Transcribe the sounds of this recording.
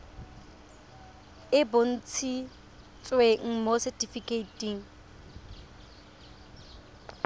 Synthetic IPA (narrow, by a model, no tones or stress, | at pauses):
ɪbʊn̩t͡sʰi | t͡sʼweŋ̩mosɛtifikʼeitʼiŋ̩